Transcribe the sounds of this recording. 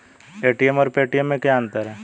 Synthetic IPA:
eːʈijɛmɔːɾpeːʈijəmːẽkjaːnt̪əɾɛː

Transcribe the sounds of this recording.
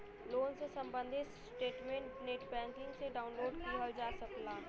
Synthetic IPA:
loːnsesɐ̃mbə̃nd̪ʱɪsʈeːʈmẽːɳʈneːʈpɛ̃ːnt̪ɪ̃ŋseɖaːʊnloːɖkiad͡ʒaːsəklaː

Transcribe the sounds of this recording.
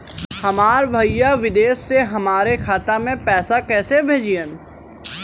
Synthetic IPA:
hɐmaːɾbʱɐijaʋɪd̪eːʃːeɦɐmaːɾekʰaːt̪amẽpɛːsakɛːsebʱeːd͡ʒiən

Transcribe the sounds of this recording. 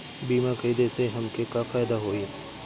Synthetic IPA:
biːmakəid̪eseɦɐmkekafaːɪd̪aɦoːe

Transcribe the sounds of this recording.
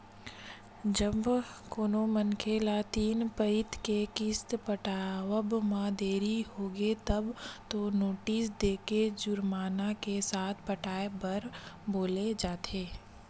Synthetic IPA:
d͡ʒəbkoːnomənkʰelat̪iːnpəɪt̪kekɪst̪pəʈaːwəbmãd̪eːɾiɦoːɡet̪əbt̪onoːʈiːsd̪eːked͡ʒʊɾmaːnakesaːt̪ʰpəʈaːebəɾboːled͡ʒaːt̪ʰeː

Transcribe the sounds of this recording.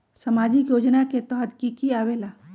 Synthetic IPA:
sɐmaːd͡ʒikjoːd͡ʒnaket̪ɔɦəd̪kikiaːʋeːla

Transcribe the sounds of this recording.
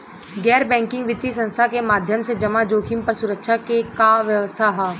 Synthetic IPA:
ɡɛːɾbɛ̃ːŋkɪ̃ŋɡʋɪt̪ːisə̃nst̪ʰakemaːd̪ʱjəmsed͡ʒɐmad͡ʒoːkʰimpɐɾsʊɾəkʃʰakekaːʋjəʋəst̪ʰaɦɛː

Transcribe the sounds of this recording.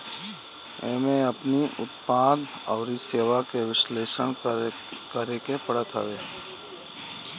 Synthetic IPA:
ẽːmẽəpniʔʊ̰t̪paːd̪ɔːɾiseːʋakeʋɪʃleːʃəɳ | kəɾekepəɽət̪ʰə̰ʋeː

